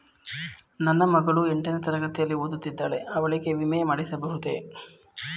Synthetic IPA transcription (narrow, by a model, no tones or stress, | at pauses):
nɐnːɐmɐɡɐɭueɳʈinɐt̪ɐɾɐɡɐt̪ːijɐlːioːd̪ut̪ːid̪ːaːɭe̞ɐʋɐɭikeʋimɐjɐmaːɽisɐbɐɦut̪ḛː